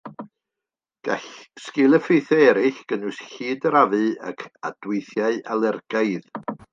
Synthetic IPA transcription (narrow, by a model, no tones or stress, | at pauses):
ɡ̥aɬskɪlˠəfejθɛɛɾɪɬɡ̥ənʊɨsɬiːdəɾavɨa̰kʰa̰d̥wɪjθjaɨʔalˠɛrɡ̥aɨð